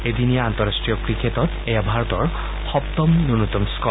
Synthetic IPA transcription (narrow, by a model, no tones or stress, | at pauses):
ed̪inijaant̪ɔɹastɹijɔkɹikʰet̪ɔt̪ | ejabʱaɹɔt̪ɔɹ | xɔpt̪ɔmnunut̪ɔmskɔ